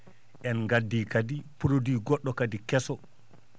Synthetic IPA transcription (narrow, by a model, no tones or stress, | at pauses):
ʔɛnŋɡadːiːkadipuɾodiːɡɔɗːɔkadikɛsɔ